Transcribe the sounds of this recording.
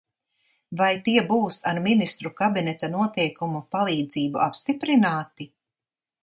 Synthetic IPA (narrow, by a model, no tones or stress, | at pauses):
vajt̪iɛbuːsaɾminist̪ɾukabinɛt̪anuɔt̪ɛjkumupalˠiːd̪ziːbuʔapst̪ipɾinaːt̪i